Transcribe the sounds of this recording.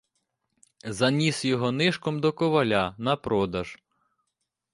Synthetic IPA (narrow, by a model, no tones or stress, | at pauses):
zɐnʲisjɔɦɔnɪʃkɔmd̪ɔkɔʋɐlʲanɐpɾɔd̪ɐʒ̥